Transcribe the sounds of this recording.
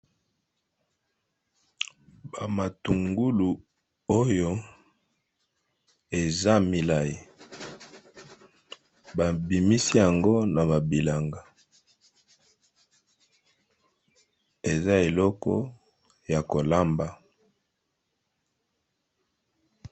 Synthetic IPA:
ba˨ma˨tu˨ŋɡu˦lu˨ | o˦jo˦ | e˨za˦mi˨la˦ji˨ | ba˨bi˨mi˦si˦ja˨ŋɡo˦na˨βa˨bi˨la˨ŋɡa˨ | e˨za˦e˨lɔ˦kɔ̰˦ | ja˨ko˨la˦mba˦˨

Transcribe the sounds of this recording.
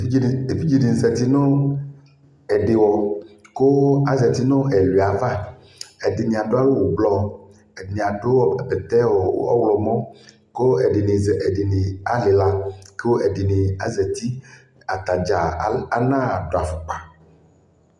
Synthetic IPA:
e˨fi˦d͡ʒi˨de˨n˨zɛ˨t̪i˦no˦ | ɛ˨ɖe˨wɔ˨ko˦a˨zɛ˨t̪i˦nõ˦ɛ˨li˨a˨va˦ | ɛ˨de˨nẽ˨a˨ɖo˦a˦lo˦wo˨blɔ˦ | ɛ˨nẽ˨a˨ɖo˦˨be˨t̪ɛ˦wɔ̰˨˦ɔ̰˦wlɔ˨mɔ̃˦ | ko˦ɛ˨e˨ne˨ɛ˨ɖe˨ne˨a˨le˨la˦ke˦wo˦ʔɛ˨de˨ne˨a̰˨zɛ˨t̪i˦ | a˨t̪a˨d͡ʒa˨˦a˦nã˦˨ɖo˨a˨fo˨k͡pa˨

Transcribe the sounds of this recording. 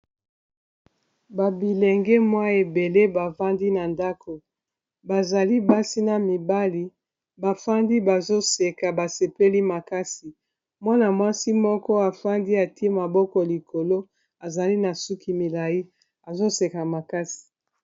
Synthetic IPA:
ba˨bi˨lɛ˨ŋɡɛ˦mwa˦e˨be˨le˦ba˨va˦ndi˦na˨nda˦kʰo˨ | ba˨za˨li˦ba˦si˦na˨mi˨ba˦li˨ | ba˨fa˦ndi˦ba˨zo˦se˨ka˨ba˨se˨pe˦li˦ma˨ka˦si˨ | mwa˦na˨mwa˦si˦mɔ˦kɔ˦a˨fa˦ndi˦a˨ti˦e˦ma˨bɔ˦kɔ˨li˨ko˨lo˦ | a˨za˨li˦na˨su˦ki˨mi˨la˨ji˦ | a˨zo˦se˨ka˨ma˨ka˦si̥˨

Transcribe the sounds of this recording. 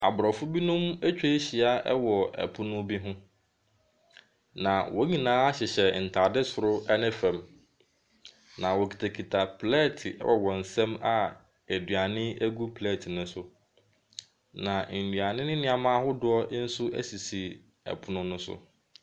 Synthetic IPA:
a̰˨bʊ˨ɾɔ˨fʊ˦bi˦nʊ̃˦mæ˦t͡ɕᶣe˦ɕi˨a˦ʔɛ̰˦wɔ˨ʔæ̰˨pʰʊ˦nʊ̃˦bi˦ɦʊ̃˦ | nã˨wʔɔ˦ɲĩ˨nãː˦a˦ɕɪ˨ɕɛ˨n̩˨tʰa˨dɪ˦sʊ˨ɾʊ˦ʔɛ˦nɪ̃˦fɛ̃˨m | nã˨wɔ˨kʰi̥˨tʰa˨kʰi˨tʰa˨pʰlɛ˦˨tʰɪ˨ɛ̰˦wɔ˨wɔ̃˨n̩˨sɛ̃˦ma˨ | æ˨dɥa˨nɪ̃˦æ˦ɡu˦pʰlɛ˦˨tʰɪ˨nʊ̃˦sʊ˦ | nã˨n̩˨dɥa˨nɪ̃˦nɪ̃˦nɪ̃˨˦a˨mãː˦ɦʊ˦dʊ˦ɔ˦n̩˦sʊ˦æ̰˦si˨si˨ | æ̰˨pʰʊ˦nʊ̃˦nʊ̃˦sʊ̰˨

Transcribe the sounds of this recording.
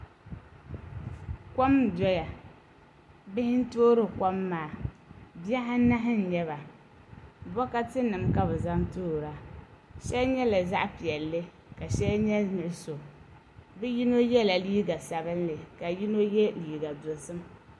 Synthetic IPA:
ka˦m˨dɔ˦ja˨ | bɪ˦hɪ˦n̩˦toː˦ɾɨ˦˨ka˦mːaː˨bi˦a˦ɦa˦na˦ɦɪ˦n̩˨ɲɛ˦βa˨ | bɔ˦ka˦tɨ˦nɨ˨mka˦bɛ˨za˦ŋtoː˦˨ɾa˨ʃɛ˦lɲɛ˦la˨za˦ʔpi˨ɛ˨lːɨ˦ | ka˨ʃɛ˦lɲɛ˦nɨ˨ɾɨ˦so˨ | bɨ˦ji˦no˦jɛ˦la˨liː˦ɡa˨sa˨bɨ˦n˦lɨ˨ka˨ji˦no˦jɛ˦liː˨ɡa˨dʊ˨lsɨ˦m

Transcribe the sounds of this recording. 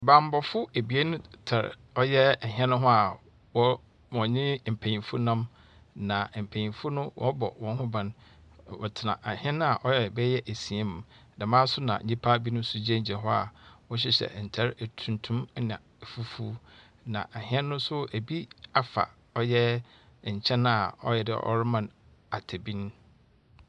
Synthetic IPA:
bã˨m˦˨bɔ˨fʊ˦e˨bi˨e˦nʊ̃˦tʰa˨ɾ̰ | ɔ˦jɛ˦ɛ˨ɦɛ̃˦nʊ̃˦ɦʊ̃˦a˨ | wɔ˦ | mɔ̃˨ɲɪ̃˦m̩˨pʰæ̃˨ɲĩ˨fʊ˦nã˦m | nã˨m̩˨pʰæ̃˨ɲĩ˨fʊ˦nʊ̃˦wʔɔ̰̃˦bɔ̰˨wɔ̃˨n˦ɦʊ̃˦bã˨nwɔ̰˨tʰɪ˨nã̰˨ʔɛ˨hɪ̃˦ɛ̃˦nʊ̃˦a˨ʔɔ˦jɛ˨bɛ˦jɛ˦ʔæ˨si˨e˦m˨da˨mãː˦sʊ˦nã̰˨ɲĩ˦pʰa˦bi˦nʊ̃˦sʊ˦d͡ʑi˦ɛ˦ɲ̩˨d͡ʑɛ˨ɦɔ˦a̰˨wɔ̃˦ɕ̬ɪ˦ɕɛ̰˨n̩˨tʰɛ˦ɾtʰũ˨ntʰũ˦m˦nã̰˨fu˦fu˦ | nã̰˨ʔa˨hɪ̃˦ɛ̃˦nːʊ̃˦sʊ˦æ˨bi˦a˨fa̰˨ | ɔ˦jɛ˦˨ | ɲ̩˨t͡ɕʰɛ̃˦na˨ɔ̰˦jɛ˨dɪ̰˦ʔɔ̰˦ɾɪ˦mã˨n | a˨tʰe˨bĩ˦n˦

